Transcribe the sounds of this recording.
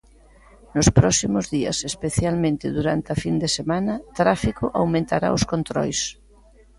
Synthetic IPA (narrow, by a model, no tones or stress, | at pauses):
nʊspɾɔsimʊzðiɐ̰sespeθjalmẽnt̪ɪðuɾant̪ɪɐfind̪esemanɐt̪ɾafikʊʔawmẽnt̪aɾa̰oskont̪ɾɔ̰js